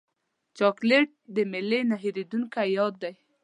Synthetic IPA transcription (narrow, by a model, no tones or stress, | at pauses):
t͡ʃɑkleʈ̚d̪əmɪlenaɦiɾed̪uŋkajɑd̪ːaj